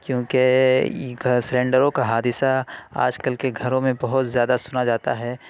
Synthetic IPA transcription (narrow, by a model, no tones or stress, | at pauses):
kjõːke | ɡsɾẽːɳɖəɾõkaɦaːd̪ɪsaa̰ːd͡ʒkəlkeɡʱɐɾõmẽbɐɦʊt̪zjaːd̪asʊnad͡ʒaːt̪aɦɛː